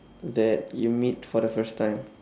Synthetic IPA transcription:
ðɛtjumitfɔdəfəɹstʰːãɪ̃m

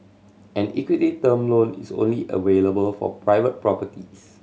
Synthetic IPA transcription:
ɛ̃nikwititəmlõnḭsõ̰nliʔə̰veləbəlfɔ̰pɹaɪvət̚pɹɔpətis

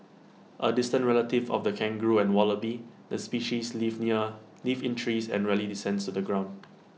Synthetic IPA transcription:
ʔədɪstə̃ntɹɛlətɪvɔ̰fdəkʰɛ̃ŋɡɹuɛ̃nwɔləbidəspiʃislivniə | livɪ̃ntʰɹisɛ̰̃nɹɛlidisɛ̃ndstudəɡɹãʊ̃nd

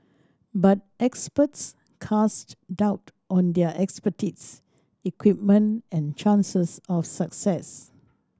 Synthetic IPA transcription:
bat̚ɛkspəts | kʰastdaʊt | ʔɔ̃ndɛəʔɛkspətits | ikwip̚mə̃nɛ̃nt͡ʃãnsəsɔfsaksɛs

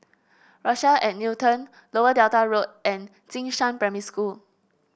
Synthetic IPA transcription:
ɹaʃəʔɛ̃tnutə̃n | loədɛltaɹot̚ɛ̃n | tĩŋʃãnpɹɛmiskul

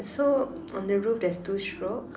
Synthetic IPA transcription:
nso | ɔ̰̃ndəɹufdɛstuʃɹo

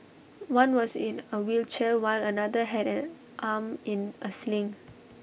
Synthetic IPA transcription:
wãnwɔsĩnəwilt͡ʃɛwaɪlənadəɦɛɾɛ̃n | ʔamĩnʔəslĩŋ

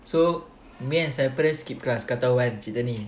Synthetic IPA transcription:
so | miɛ̃nsajpɾəskip̚klaskat̪awɛ̃nt͡ʃit̪əni

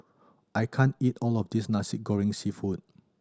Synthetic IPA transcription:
ʔajkʰãnitɔlɔfdisnasiɡɔɹɪ̃ŋsifut̚

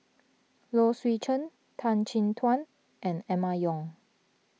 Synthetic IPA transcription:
loswit͡ʃʰə̃n | tʰãnt͡ʃʰĩntʰwãn | ʔɛ̃nɛmajɔ̃ŋ

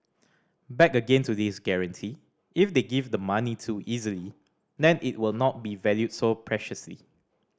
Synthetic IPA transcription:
bɛkəɡẽntudisɡɛɹə̃ntʰi | ifdeɡivdəmanitʰuʔizəli | dɛ̃nʔɪ̰t̚wɪlnɔt̚bivɛljud̚sopʰɹɛʃəslḭ

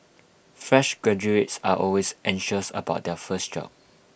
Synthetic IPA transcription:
fɹɛʃɡɹɛd͡ʒuetsaʔɔlwesʔɛ̃ŋʃəsə̰baʊt̚dɛfəsd͡ʒɔ̰p̚

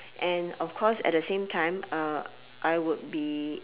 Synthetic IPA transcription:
ʔɛ̃nɔfkʰɔsɛ̰t̚dəsẽmtʰãɪ̃mʌ | ʔaɪwʊd̚bi

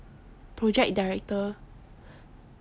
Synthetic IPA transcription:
pɹɔd͡ʒɛk̚daɹɛk̚tə

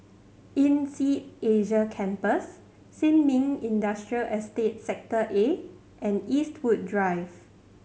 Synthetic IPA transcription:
ĩnsieʒəkʰɛ̃mpəsː | ĩnmĩŋĩndastɹiəlʔɛstet̚sɛk̚təʔe | ʔɛ̃nistʰwud̚dɹajv

